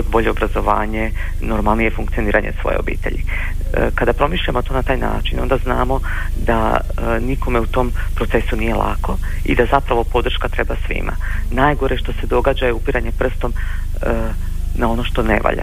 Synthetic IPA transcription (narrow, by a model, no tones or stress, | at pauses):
od̪̚bo̞ʎe̞obɾazo̞ʋaːɲe̞ | no̞ɾmalˠnije̞fuŋk̚t̪sio̞niːɾaɲesʋo̞̰jeobḭːt̪ḛʎḭ | kad̪apɾo̞miʃʎamo̞t̪o̞ːnat̪aːjna̰ːt͡ʃino̞nd̪azna̰ːmo̞ | d̪a | niko̞me̞ut̪o̞ːmpɾot̪e̞sunije̞lˠʔa̰ːko̞ | ḭd̪azapɾaʋo̞po̞d̪r̩ʃkat̪ɾe̞basʋḭma̰naːjɡo̞ɾeʃt̪o̞se̞d̪o̞ɡaːd͡ʑajeupiɾaɲe̞pr̩st̪o̞m | nao̞no̞ʃt̪o̞ne̞̰ʋa̰ʎa̰